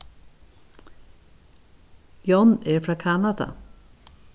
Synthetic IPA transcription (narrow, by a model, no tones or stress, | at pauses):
jɔnɛɾfɾakʰanad̪a̰